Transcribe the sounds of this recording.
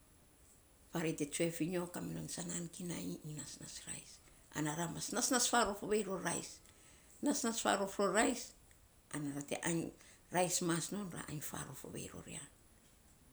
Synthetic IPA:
faɾete̞t͡ʃue̞fiɲokaminonsanankinajiinasnasɾa̰js | a̰naɾamasnasnasfaɾo̞foβejɾo̞ɾa̰js | nasnasfa̰ɾo̞fɾoɾajs | anaɾate̞̰ʔaɲ | ɾajsmasno̞nɾa̰ʔaɲfa̰ɾo̰fo̰βḛjɾo̞̰ɾḭan

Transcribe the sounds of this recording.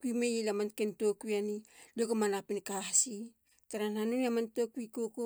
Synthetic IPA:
kuimejilamankentokuianiliokamanapinkaɦsi | taɾanhanuniamantokuikoko

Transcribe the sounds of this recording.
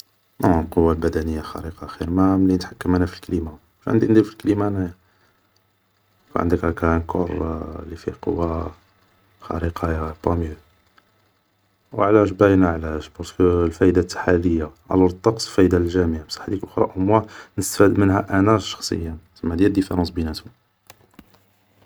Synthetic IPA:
nolqowːalbæd̪ænəjːalxɑ̰ɾiqɑxiɾmæmlinət̪ħakːəmːənhæfilkælima | æʃʕə̰nd̪iʔnd̪ilfilklimæn | fḭʕə̰nd̪əkækænkʰo̰ɾˤlifiqo̰wːa | xɑ̰ɾiqɑpɑmjəl | wʕlæʃ̬bæjnaʕlæʃbɑɾskəlfæjd̪at̪ːħaləjːaʔæ̰lɾt̪ˤːɑqsˤlfæjd̪alʒæmijamsˤɑ̥ħd̪iklʔxɾˤɑ̰ʔʊmwanəst̪fæd̪mənhæʔænæʃɑ̥xsˤə̰jːæsəmːæd̪jæd̪ifeɾˤɑ̃sbinæt̪u

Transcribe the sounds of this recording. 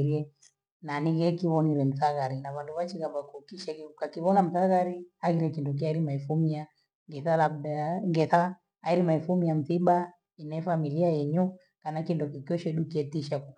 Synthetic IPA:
ɾiɛ | naniɣɛkiβɔniɾɛm̩θaɣaɾinaβanduβat͡ʃiɣaβakukiʃɛkiukakiβɔnam̩θaɣaɾiaɣiɾɛkindɔk̬iaiɾimaifumia | ŋɡɛθalabdaŋɡɛθa | aiɾimaifumiam̩θiɓa | inɛfamiliajɛɲu | kanakindɔkikiɔʃɛɗukɛtiʃaku

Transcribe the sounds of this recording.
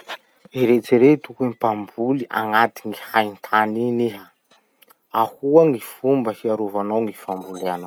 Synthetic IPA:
iɾet͡siɾet̪ukemipambuliʔa̰ŋat̪iŋihajnt̪ʰaniniɦa | ahuaŋifumbəhiaɾovanawŋifambuleana

